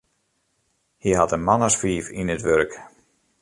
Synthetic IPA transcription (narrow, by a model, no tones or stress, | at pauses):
hiɦatənmanasfiːfinətʋørk